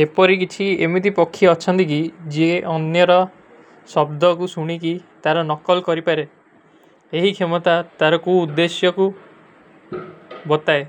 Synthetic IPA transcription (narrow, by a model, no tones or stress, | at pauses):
epɔɾikit͡ʃʰiemid̪ipɔkʰːjɔɔt͡ʃʰɔnt̪ik̬id͡ʒeɔnjɔɾɔ | sɔbd̪ʱɔkusuɽ̃ikit̪aɾɔnɔkɔlkɔɾipaɾe | eɦikʰemɔt̪at̪aɾɔkuːd̪ːesjɔku | bɔt̪ae